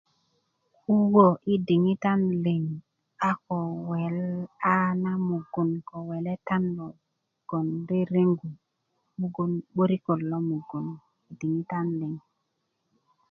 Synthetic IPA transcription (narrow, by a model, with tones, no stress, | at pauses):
u˦wo˨ʔi˦di˨ŋi˦ta˦nli˨ŋ | a˦ko˨we˨la˦na˦mu˨ɡu˨nko˨we˨le˦ta˦nlo˨ | ɡ̥o˨nde˦ɾe˦ŋɡu˨ | mu˦ɡu˨nɓo˦ɾi˦ko˨lːo˦mu˨ɡu˨n | i˨di˨ŋi˦ta˦nli˨ŋ